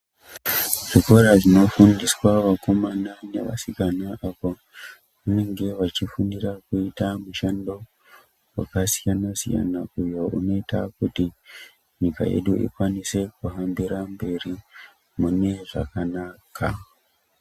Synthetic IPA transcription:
ʐ̥iko̞ɾaʐino̞fundiswaʋako̞manane̞̰ʋa̰sikanaapo | ʋane̞ŋɡe̞ʋat͡ʃifundirakuitamuʃando̞ | wa̰kasijanasḭja̰naujo̞ʔuno̞ita̰kuti | ɲika̰je̞̰ɗuʔḭkwanise̞kuɦambiɾambe̞ri | mune̞ʐa̰kanakʰa

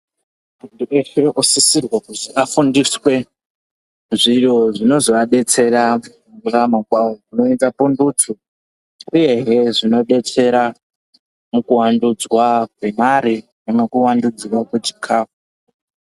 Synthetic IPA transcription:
muntuefeusisirwakutiʔafundiswe̞ | ʐiroʐino̞zoʋaɗe̞t͡se̞ra | uramakwaokuno̞endapundutʰu | uje̞ɦeʐino̞ɗe̞t͡se̞ɾa | mukuwandud͡zwak̚we̞maɾi | nemekuwandud͡zwakwet͡ʃikʰaːfu

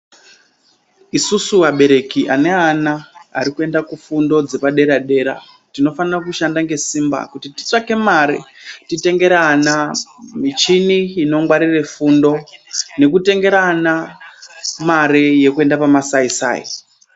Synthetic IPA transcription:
isusuaɓe̞ɾe̞kiʔane̞ana̰ːɾikue̞ndakufundo̞d͡zepaɗe̞ɾaɗe̞ɾa̰ | tino̞fanirakuʃandaŋɡe̞simba̰kutiti̥t͡ʂake̞maɾḭtite̞ŋɡe̞ɾanamit͡ʃiniːno̞ŋɡwaɾire̞fundo̞ne̞kute̞ŋɡe̞ɾana | maɾeje̞kue̞ndapamasaisa̰ːjḭ

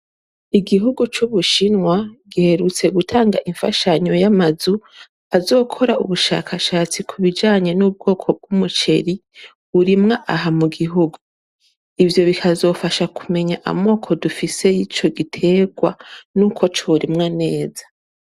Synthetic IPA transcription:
iɡiɦuɡut͡ʃuβuʃinŋwaɡihe̞ɾut͡se̞ɡutʰaːŋɡaʔiɱfa̰ʃaɲo̞jamazu | azo̞ːkʰo̞ɾaṵβuʃa̰kʰaʃaːt͡sikʰuβid͡ʒaːɲe̞nub̚ɡo̞ːkʰo̞b̚ɡumut͡ʃe̞ɾi | uɾimŋaʔaɦamuɡiɦuɡu | ivjo̞βikʰazo̞ːfaʃakume̞ɲaʔa̰mo̞ːkʰo̞dufise̞jit͡ʃo̞ɡitʰe̞ːɡwanukʰo̞t͡ʃoɾimŋane̞ːzḁ

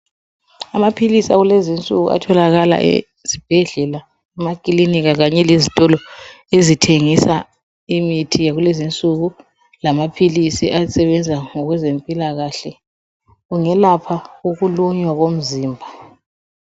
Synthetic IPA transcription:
amapʰilisaɣulezint͡sʼṵɣṵa̰tʰɔlaɣala̰ʔḛ | zib̥ʱɛɮɛla | ɛmakʼiliniɣaɣaɲɛlezitʼɔlɔ | ezitʰeŋisa | imitʰijaɣulezint͡sʼuɣu | lamapʰilisḭʔasɛβɛnd͡zʱaŋɔɣwɛzempʼilaɣaɬɛ | ɣuŋɛlapʰauɣuluɲwaɣom̩ziːmbʱa

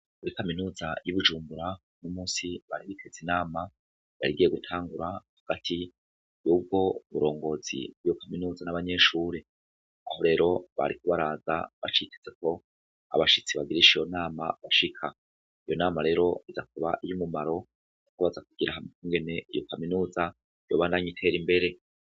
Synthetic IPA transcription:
kuɾikaminuːzajuβud͡ʒuːmbuɾa | numuːnsiβaɾiβitʰez̥inaːma | βa̰ɾiɡije̞ɡutʰaːŋɡuɾahaɡ̥atʰi | juːb̚ɡo̞βuɾo̞ːŋɡo̞ːzḭjo̞kaminuːzanaβaɲe̞ːʃuːɾe | aho̞ɾe̞ːɾo̞βa̰ɾikuβaɾaːza̰βa̰t͡ʃitʰe̥ze̞ko̞ | a̰βaʃit͡siβaɡiɾiʃijo̞naːmaβaʃikʰa | ijo̞naːmaɾe̞ːɾo̞izak̚uβaʔijumumaɾo̞ | nukoβazak̚uɡ̥iɾahamikuːŋɡe̞ne̞ʔijo̞kaminuːza | jo̞ːβaːndaɲitʰe̞ɾimbe̞ɾe̞

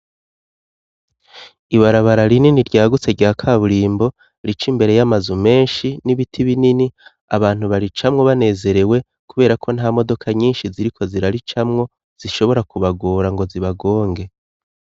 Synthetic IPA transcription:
iβaɾaβaɾaɾininiɾɟaːɡut͡se̞ɾɟaːkʰaβuɾiːmbo̞ | ɾit͡ʃimbe̞ɾe̞jamazume̞ːnʃiniβitʰiβinini | a̰βaːn̥huβaɾit͡ʃamŋo̞βane̞ːze̞ɾe̞we̞ | kuβe̞ːɾakʰo̞nhaːmo̞do̞kʰaɲiːnʃiziɾikʰo̞ziɾaɾit͡ʃamŋo̞ | z̥iʃo̞βo̞ɾakuβaɡoːɾaŋɡo̞ziβaɡo̞ːŋɡe̞

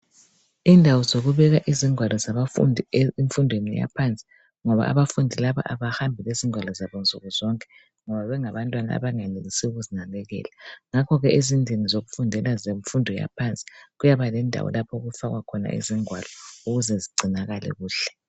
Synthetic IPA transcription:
indʱawɔzoɣuβɛɣaʔiziŋwalɔzaβa | iɱfundʱwenḭja̰pʰant͡sʼi̥ | ŋɔβa̰a̰βafundʱilaβa̰ʔaβahambʱileziŋʱwalɔzaβɔnt͡sʼuɣuzɔŋkʼɛ | ŋɔβaβɛŋaβantʼwana̰a̰βaŋaneɣisɛuɣuzinalɛɣɛ̰ːlaŋakʰɔɣɛʔezindʱinizoɣufundʱɛlazeɱfundʱɔja̰pʰant͡sʼi̥ɣujaβalɛndʱa̰wɔ̰lapʰoɣufaɣwakʰɔna̰ʔḭziŋʱwalɔuɣuzɛziɡ͡ǀʱinaɣalɛ̰ɣuːɬɛ̥

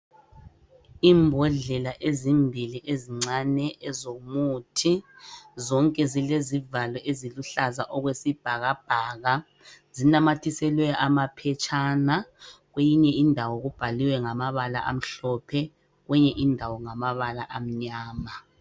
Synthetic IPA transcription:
iːmbʱɔɮɛlaʔezimbʱiliʔeziŋ͡ǀanɛʔɛzomutʰizɔŋkʼɛzilezivalɛʔeziluɬazaʔɔɣwesib̥ʱaɣab̥ʱaːɣa | zinamatʰisɛlwɛjɔʔamapʰɛt͡ʃʼanaɣwejiɲɛindʱawɔɣub̥ʱaliwɛŋamaβala̰ʔa̰m̩ɬɔpʰɛ | ɣwɛɲɛʔindʱawɔŋamaβalaʔam̩ɲaːma

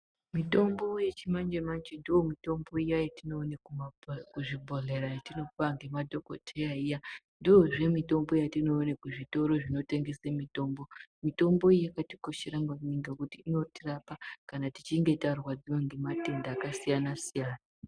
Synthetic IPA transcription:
mito̞mbo̞je̞t͡ʃimand͡ʒemand͡ʒendiwo̞mito̞mbo̞ijajatino̞ːnekukuʐibʱo̞ɮe̞ɾajatino̞paŋɡe̞madʱo̞ko̞̰tʰejaija | ndio̞ʐe̞mito̞mbo̞jatino̞ːnekuʐito̞ɾo̞ʐino̞te̞ŋɡe̞semito̞mbo̞mito̞mbo̞ijakatiko̞ʃeɾaŋɡaniŋɡakutiːno̞tirapakanati̥t͡ʃiŋɡe̞tarwad͡ziwaŋɡe̞mate̞ndaːkasijanasijaːna

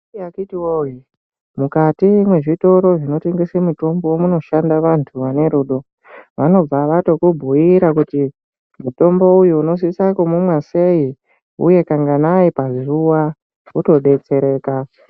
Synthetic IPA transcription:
akitiwoji | mukatimwe̞ʐito̞ɾo̞ʐino̞te̞ŋɡesemuto̞mbowomuno̞ʃandaʋantʰuʋane̞ɾuːɗo̞ | ʋano̞b͡vaʋato̞kubʱuiɾakuti | muto̞mbo̞ujuːno̞s̬isakomumwase̞i | ṵje̞kaŋɡanaipazuwa | uto̞ɗe̞t͡se̞ɾe̞ːka

